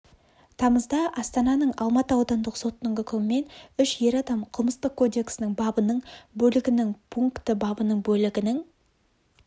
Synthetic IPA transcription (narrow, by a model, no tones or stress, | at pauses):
t̪ʰɑməzd̪ɑʔɑst̪ɑnɑnəɴɑlˠmɑt̪əɑwd̪ɑnd̪əqso̞t̪nəŋɡʲɪkʲʰɵmɪme̞nʏʃje̞ɾɑd̪ɑmqʰəlˠməst̪əq̚kʰːo̞d̪e̞ksɪnɪŋbɑbənəɴbɵlɪɡʲɪnɪŋpʰuŋkt̪əbɑbənəɴbɵlɪɡʲɪnɪŋ